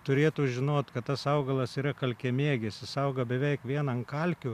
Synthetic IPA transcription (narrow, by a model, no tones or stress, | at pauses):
t̪ʊɾʲeːt̪ʊːʒʲɪnoːt̪kɐt̪t̪ɐsɐʊɡɐlˠɐsiːɾɐkɐlʲkʲɛmʲeːɡʲɛsʲɪsɐʊɡɐbʲɛʋʲɛɪkʋʲiɛnɐnkɐlʲkʲʊ